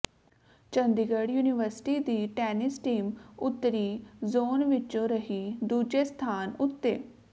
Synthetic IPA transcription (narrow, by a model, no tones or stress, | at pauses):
t͡ʃənd̪iɡəɽjuːnɪʋəɾsʈiːd̪iːʈɛːnɪsʈiːmʊt̪ːəɾiːzoːnʋɪt͡ʃõːɾəɦiːd̪uːd͡ʒeːst̪ʰaːnʊt̪ːeː